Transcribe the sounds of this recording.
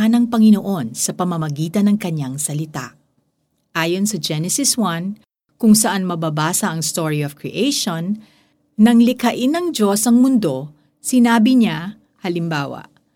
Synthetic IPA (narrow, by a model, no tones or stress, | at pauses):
ɐnɐŋpɐŋɪno̞ʔo̞nsɐpɐmɐmɐɡiːt̪ɐnɐŋkɐɲːaŋsɐlɪt̪a̰ʔ | ʔaːjo̞nsɐd͡ʒɛnɛsɪswan | kʊŋsɐʔanmɐbɐbaːsɐʔɐŋst̪oɹiov̥kɹiʔejʃonː | ɐŋlɪkɐʔɪnɐŋd͡ʒo̞sɐŋmʊnd̪o̞ | sɪnaːbɪɲa | hɐlɪmbaːwɐ̰ʔ